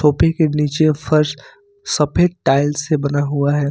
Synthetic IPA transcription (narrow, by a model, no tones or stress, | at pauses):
oːpẽkeniːt͡ʃefʰɐɾs | sɐpʰeʈʈaːɪlsebɐnaɦuaɦɛː